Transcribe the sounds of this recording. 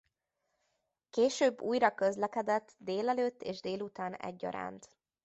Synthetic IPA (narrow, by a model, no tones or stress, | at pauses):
keːʃøːbːuːjɾɒkøzlɛkɛd̪ɛt̪ːd̪eːlɛløːt̪ːeːʒd̪eːlut̪aːnɛ̰ɟːɒ̰ɾa̰ːnt̪